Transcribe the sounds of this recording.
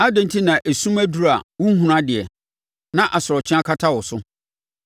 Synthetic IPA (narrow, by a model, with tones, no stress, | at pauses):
a˦dɪ̃˨n˦tʰi˦nã˨ʔe˨sũ˦mæ˦du˦ɾa˨wʊ̃˦ɦũ˨nã˦dɪ˨ɛ˨ | nã˦ʔa˨sʊ˨ɾɔ˨t͡ɕʰɪ˦a˦kʰa˦tʰa˦wɔ˨sʊ˦